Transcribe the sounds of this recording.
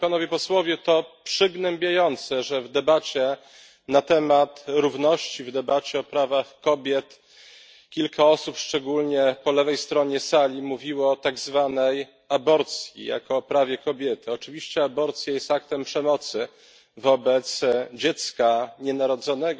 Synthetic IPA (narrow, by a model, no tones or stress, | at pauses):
panɔvʲjɛpɔswɔvʲjɛt̪ɔpʂɘɡnɛmbʲjajɔnt̪sɛʐɛvd̪ɛbat͡ɕɛ | nat̪ɛmat̪ɾuvnɔɕt͡ɕivd̪ɛbat͡ɕɛɔpɾavaxkɔbʲjɛt̪ | kʲilkʰaɔsupʂt͡ʂɛɡulɲɛpɔlɛvɛjst̪ɾɔɲɛsalʲimuvʲiwɔːt̪aɡzvanɛj | abɔɾt̪sʲjḭja̰kɔːpɾavʲjɛkɔbʲjɛt̪ɘɔt͡ʂɘvʲiɕt͡ɕɛabɔɾt̪sʲjajɛst̪ak̚t̪ɛmpʂɛmɔt̪sɘ | vɔbɛt̪sd͡ʑɛt̪skaɲɛnaɾɔd̪zɔnɛɡ